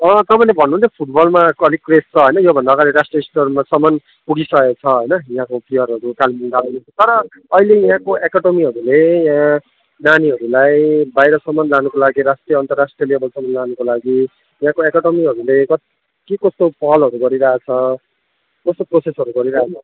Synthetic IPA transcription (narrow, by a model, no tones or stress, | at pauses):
ʌt̪ʌpanebʱʌnːuunt͡sʰepʰuʈ̚bʌlmaʌlikrest͡sʰʌɦʌjnʌjobʱʌnd̪aːɡaɾiɾasʈrijʌisʈormasʌmʌn | puɽisʌet͡sʰʌɦʌjnʌjãkopʰijʌɾɦʌɾukalimund̪anet͡sʰʌt̪ʌɾʌː | ilejãkoʔekaɖʌmiɦʌɾulejã | naniɦʌɾulajbajɾʌsʌmʌnlanukolaɡiɾasʈrijʌʌnt̪ʌrasʈriʌleʌbʌlsʌmːʌnlanukolaɡi | jãkoekʌɽʌmiɦʌɾulekʌt̪ | kekʌst̪opʰʌʌlʌɾuɡʌɾiɾaat͡sʰʌ | kost̪oprosesɦʌɾuɡʌɾiɾaat͡sʰʌ